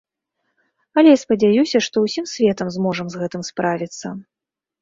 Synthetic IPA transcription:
ɐlʲɛjaspɐd͡zʲajusʲɐʂt̪ɔwsʲimsʲvʲɛt̪ɐmzmɔʐɐmzɣɛt̪ɨmspɾavʲit̪sːɐ

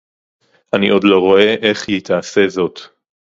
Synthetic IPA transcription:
ʔaniʔo̞dlo̞ʁo̞ʔe̞ʔe̞χjit̪ʰaːse̞zo̞t̪

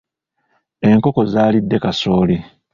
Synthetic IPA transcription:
e̞ŋko̞ko̞zaːlidːe̞kaso̞ːle

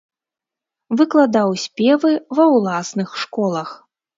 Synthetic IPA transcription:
vɨklˠad̪awsʲpʲɛvɨvɐwlˠasnɨxʂkɔlˠɐx

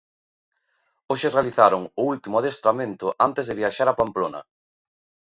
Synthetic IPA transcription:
oʃɪrealiθaɾʊŋʊult̪imʊaðest̪ɾamẽnt̪ʊʔant̪ezðɪβiaʃaɾapamplonɐ̰

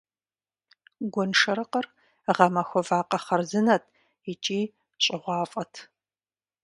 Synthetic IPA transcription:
ɡʷɔnʂɐɾɨqɐr | ʁɐmɐxʷɔvaːqɐχɐrzɨnɐtʰ | it͡ʃʼiː | t͡ʃʼɪʁʷɑːfʼɐtʰ

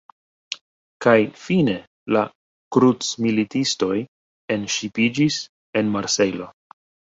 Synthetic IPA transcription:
kajfine̞ | la | kɾut͡smilitisto̞j | e̞nʃipid͡ʒis | e̞nmaɾse̞lo

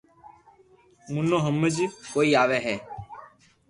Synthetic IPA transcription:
mʊnõːɦəmːəd͡ʒkoːiːaːʋeːɦɛː

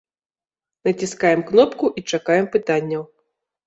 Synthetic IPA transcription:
nɐt͡sʲiskajɛmknɔpkuʔit͡ʂakajɛmpɨt̪anʲːɐw

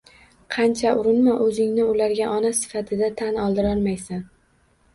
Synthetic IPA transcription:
qʰɑnt͡ʃʰaʔʊɾɪnmaʔɵzɪŋnɪʊlaɾɡʲaʔɒnasɪ̥fat̪ʰɪd̪at̪ʰanɒlˠd̪ɪɾɒɾmajsan

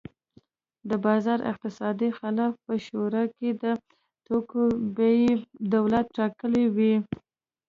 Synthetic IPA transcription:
d̪əbɑzɑɾʔɪ̰q̚t̪ɪsɑd̪ixɪlɑfpəʃoɾɑked̪ə | tokbjd̪awlat̪̚ʈːɑkəlewi

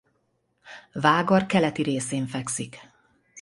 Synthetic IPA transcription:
vaːɡɒrkɛlɛt̪iɾeːseːɱfɛksik

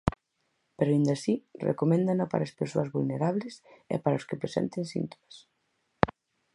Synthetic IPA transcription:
peɾoaĩnd̪asirḛkomẽnd̪anapa̰ɾaɐspeɾsoɐzβulneɾaβlesḛpaɾaoskepɾesɛ̰̃nt̪ensḭnt̪o̥mas

